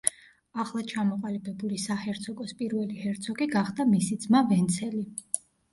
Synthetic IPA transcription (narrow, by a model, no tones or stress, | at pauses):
aχlˠat͡ʃʰamɔqʼalibɛbulisahɛɾt̪sʰɔkʼɔspʼiɾvɛlihɛɾt̪sʰɔkʼiɡaχd̪amisid̪z̥mavɛnt̪sʰɛli